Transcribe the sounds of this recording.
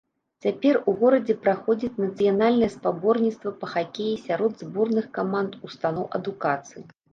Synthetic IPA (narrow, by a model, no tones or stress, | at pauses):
t͡sʲapʲɛruɣɔɾɐd͡zʲɛpɾaxɔd͡zʲit͡sʲnɐt̪sɨjanalʲnɨjɛspabɔrnʲitst̪vɐpɐxakʲejisʲaɾɔd̪zbɔrnɨxkamant̪ust̪anɔwʔɐd̪ukat̪sɨji